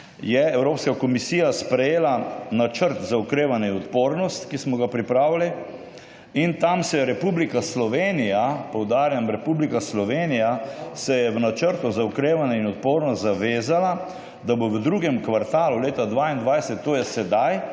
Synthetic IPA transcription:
jɛɛwɾoːpskakɔmisiːjaspɾɛjeːlanat͡ʃəɾt̪zaukɾeːʋanɛinɔt̪poːɾnɔst̪kismɔɡapɾipɾaːwili | int̪amsɛjɛɾɛpublikaslɔʋeːnijapɔwd̪aːɾjamɾɛpublikaslɔʋeːnijasɛjɛʋnat͡ʃəɾt̪uzaukɾeːʋanɛinɔt̪poːɾnɔt̪zaʋeːzala | d̪aboʋəd̪ɾuɡɛmkʋaɾt̪aːluleːt̪ad̪ʋaːind̪ʋajsɛt̪ːoːjɛsɛd̪aj

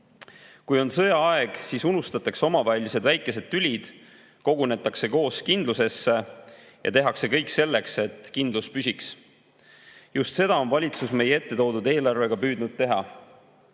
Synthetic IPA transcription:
kujo̞nsɤ̞jɑɑe̞ɡ̥siːsunust̪ɑt̪ːˑɑkso̞mɑvælʲise̞d̪væjkˑːe̞se̞d̪̥̚t̪ylʲid̪̥ | ko̞ɡ̥une̞t̪ːˑɑkse̞ko̞ːskind̪luse̞sːe̞ | jʔɑ̰t̪e̞ɦɑkse̞kɤjkse̞lːe̞kse̞t̪kind̪luspysʲiks | just̪se̞d̪̥ɑo̞nvɑlʲit̪susme̞jee̞t̪ːe̞t̪o̞ːd̪ud̪e̞ːlɑrve̞ɡ̥ɑpyːd̪nud̪̥̚t̪e̞ɦɑ

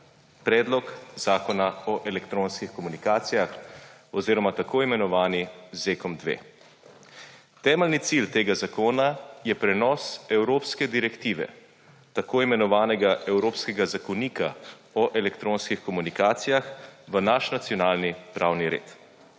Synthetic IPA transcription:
pɾɛːd̪lɔkz̥aːkɔnaɔʔɛlɛkt̪ɾoːnskixkɔmunikaːt̪sijaxɔziːɾɔmat̪akoːimɛnɔʋaːnizeːkɔmd̪ʋḛː | t̪ɛːmɛlnit̪silt̪eːɡazakoːnajɛpɾɛnɔsɛwɾoːpskɛd̪iɾɛkt̪iːʋɛ̰ | t̪akoːimɛnɔʋaːnɛɡaʔɛwɾoːpskɛɡazakɔniːka̰ | ɔʔɛlɛkt̪ɾoːnskixkɔmunikaːt̪sijaxʋənaʃnat̪sijɔnaːlnipɾʔawniɾḛːt̪

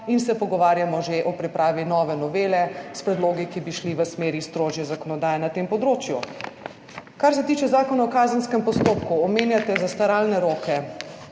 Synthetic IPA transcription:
insɛpɔɡɔʋaːɾjamɔʒeʔɔpɾipɾaːʋinɔːʋɛnɔʋeːlɛspɾɛd̪loːɡikibiʃliʋəsmeːɾist̪ɾoːʒjɛzakɔnɔd̪aːjɛnat̪empɔd̪ɾoːt͡ʃjṵ | kaɾsɛt̪iːt͡ʃɛzaːkɔnaɔkaːzənskɛmpɔst̪oːpkuɔmeːnjat̪ɛzast̪aɾaːlnɛɾoːkɛ

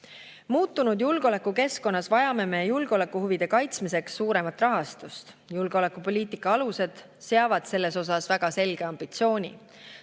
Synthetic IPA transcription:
muːt̪ːˑunud̪julɡ̥o̞le̞kːuke̞sko̞nːɑsvɑjɑme̞me̞julɡ̥eo̞le̞kːˑuhuvid̪̥e̞kɑjt̪smise̞ksːuːɾe̞mɑt̪ːˑrɑɦɑst̪ust̪ | julɡ̥eo̞le̞kːˑupo̞lʲiːt̪ikːˑɑɑluse̞d̪̥ | se̞ɑvɑd̪̥se̞lːe̞so̞sɑsvæɡ̥ɑse̞lɡ̥eɑmb̥it̪sio̞ːnʲḭ

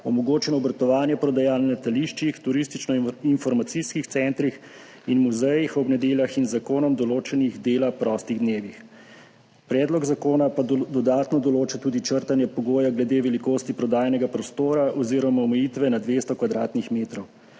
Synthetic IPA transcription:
ɔmɔɡoːt͡ʃɛnɔːbɾt̪ɔʋaːnjɛpɾɔd̪ajaːlnlɛt̪aliʃt͡ʃixt̪uɾist̪it͡ʃnɔinfɔɾmat̪siskixt̪sɛnt̪ɾix | inmuzɛjixɔbnɛd̪eːljaxinzakoːnɔmd̪ɔloːt͡ʃɛniɣd̪eːlapɾɔːst̪iɣd̪neːʋix | pɾɛːd̪lɔɡzakoːnapad̪ɔd̪aːt̪nɔd̪ɔloːt͡ʃat̪uːd̪it͡ʃəɾt̪anjɛpɔɡoːjaɡlɛd̪eːʋɛlikoːst̪ipɾɔd̪aːjanɛɡapɾɔst̪oːɾaʔɔziːɾɔmaɔmɛjiːt̪ʋɛnad̪ʋeːst̪ɔkʋad̪ɾaːt̪nixmeːt̪ɾɔw

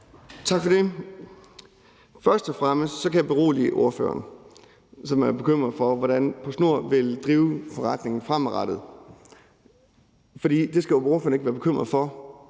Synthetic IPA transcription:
t͡sʰɑ̈ɡ̥fɒ̽de̝ | fɶɐsd̥ɒfʁaməsɒ̽kʰæjäb̥e̝ʁo̝̰ːlḭʔo̝ɐfø̰ːɐn | sɒ̽mæɐb̥e̝kʰøm̰ʁɐð̩ˠfɒ̽ʋɒɾ̥ænpʰosno̝ɐ̰ʋe̝ld̥ʁiːʊfɒ̽ʁɑd̥ne̝ŋn̩fʁamʁɑd̥ð̞̩ˠ | fɒ̽d̥ḭːd̥e̝sɡ̥æjooɐføːɐneɡ̥ʋæːɐb̥e̝kʰøm̰ʁɐðˠfɒ̽

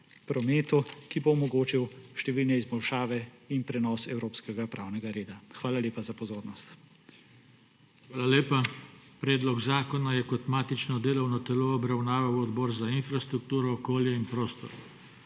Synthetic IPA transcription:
pɾɔmeːt̪ukiboːmɔɡoːt͡ʃiwʃt̪ɛʋiːlnɛizbɔlʃaːʋɛinpɾɛnɔːsɛwɾoːpskɛɡapɾʔa̰ːwnɛɡaɾeːd̪axʋaːlaleːpazapɔzoːɾnɔst̪ | xʋaːlaleːpapɾɛːd̪lɔɡzaːkɔnajɛkɔt̪maːt̪it͡ʃnɔd̪eːlɔwnɔt̪ɛloːbɾawnaːʋawɔd̪bɔːɾzainfɾast̪ɾuk̚t̪uːɾɔːkoːljɛinpɾoːst̪ɔ̰ɾ

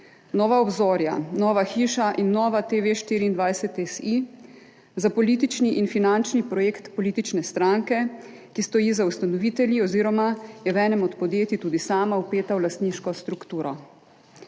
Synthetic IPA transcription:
nɔːʋaɔbzɔːɾja̰nɔːʋaxiːʃaʔinːɔːʋat̪eʋeʃt̪iːɾiːnd̪ʋajsɛt̪ɛsi | zapɔliːt̪it͡ʃniʔinfinant͡ʃnipɾɔjeːkt̪pɔliːt̪it͡ʃnɛst̪ɾaŋkɛ | kist̪ɔjiːzaust̪anɔʋiːt̪ɛljiɔziːɾɔmajɛʋɛːnɛmɔt̪pɔd̪jeːt̪it̪uːd̪isaːmawpeːt̪awlast̪niːʃkɔst̪ɾukt̪uːɾɔ

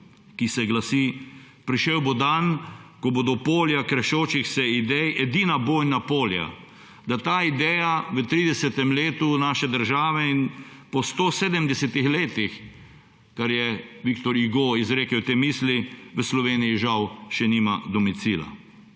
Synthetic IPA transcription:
kisɛɡlasi | pɾiʃewbod̪ankɔbod̪ɔpoːljakɾɛʃoːt͡ʃixsɛid̪ɛjɛd̪iːnaboːjnapoːlja̰ | d̪at̪aːid̪ɛːjaʋət̪ɾiːd̪ɛsɛt̪ɛmleːt̪unaːʃɛd̪əɾʒaːʋɛin | pɔst̪oːseːd̪əmd̪ɛsɛt̪ixleːt̪ix | kaɾjɛʋikt̪ɔɾiɡoizɾeːkɛwt̪eːmiːsliʋəslɔʋeːnijiʒawʃɛnimad̪ɔmit̪siːla̰

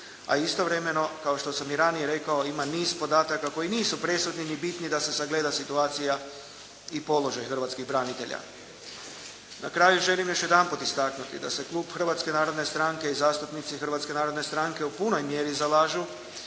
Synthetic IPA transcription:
a̰ist̪o̞ʋɾe̞me̞no̞kaoʃt̪o̞samjiɾanije̞ɾe̞kao̞imaniːzpo̞d̪aːt̪akako̞iniːsupɾe̞sud̪ninibit̪nid̪ase̞saɡle̞ːd̪asit̪uaːt̪sija | ipo̞lo̞ʒajxr̩ʋaːt̪skiɣbɾanit̪e̞ʎa̰ | na̰kɾaːjuʒe̞limjo̞ʃje̞d̪anput̪ist̪aknut̪ḭd̪a̰se̞klˠuːbxr̩ʋat̪ske̞naːɾo̞d̪ne̞st̪ɾaŋke̞izaːst̪upnit̪sixrʋat̪ske̞naːɾo̞d̪ne̞st̪ɾaŋke̞upuno̞jmje̞ɾizalaːʒu

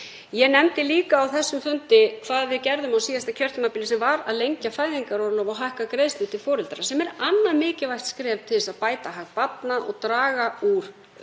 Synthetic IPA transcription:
jɛnɛmt̪ɪliːkaːwθɛsːʏmfʏnt̪ɪkʰvaːðvɪðcɛɾðʏmawsiːðast̪acʰœ̥t̪mapɪːlɪsɛmvaɾaðlejɲcafaːjðiŋkaɾɔɾlɔːvawɦahkakɾeðst̪ʏt̪ʰɪlfɔːɾɪlt̪aɾasɛmɛɾanːaɾmɪːcɪvajht̪skɾɛːvt̪ʰɪlɛsaðpaːjt̪aɦaxt̪pat̪naʔɔ̰ɣt̪ɾaːɣauɾ̥

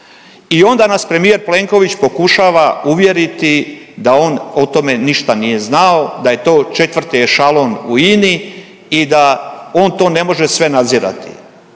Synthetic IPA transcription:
io̞nd̪anaspɾe̞mije̞ɾple̞ŋko̞ʋit͡ɕpo̞kuʃaːʋauʋje̞ɾit̪id̪ao̞ːnot̪o̞me̞niʃt̪anije̞znao̞d̪aje̞t̪o̞ːt͡ʃe̞t̪ʋr̩t̪iʃalˠo̞ːnuini | id̪ao̞ːnt̪o̞ːne̞mo̞ʒesʋe̞nad̪ziɾa̰t̪i̥̰

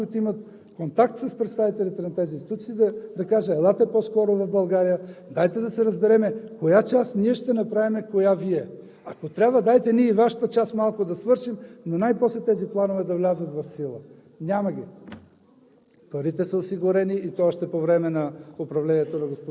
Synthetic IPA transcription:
ujt̪oimɐt̪ | kont̪akt̪sɐspɾɛt̪st̪avit̪ɛlʲit̪ɛnɐt̪ɛzinst̪it̪ut̪sid̪ɐd̪ɐkaʒəlˠat̪ɛposkɔɾovɐvbɐlˠɡaɾijəd̪ajt̪ɛd̪ɐsɛɾɐzbɛɾɛmɛkojat͡ʃasniɛʃt̪ɛnɐpɾavimɛkojaviɛ | akot̪ɾʲabvəd̪ajt̪ɛniɛivaʃə̥t̪ət͡ʃasmalˠkod̪ɐsvɤɾʃimnonajposlɛt̪ɛziplˠanovɛd̪ɐvlʲazət̪vɐfsilˠə | nʲaməɡʲi | pɐɾit̪ɛsəosiɡʊɾɛniːt̪oaʃt̪ɛpovɾɛmɛnɐopɾɐvlɛnʲiɛt̪onɐɡospo

